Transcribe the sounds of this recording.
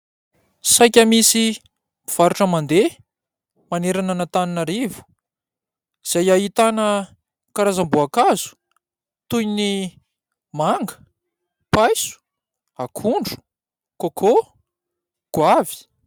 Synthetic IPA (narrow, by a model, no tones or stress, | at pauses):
sajkʲəmisi | iv̥aɾuʈ͡ʂəmand̪e | maneɾananət̪aninaɾivu̥ | iz̥ajaɦit̪anə | kaɾazambuakazu̥ | t̪ujni | maŋɡə̥ | pajsu̥ | akʰuɳɖ͡ʐu̥ | kokʰo | ɡ̥wavi̥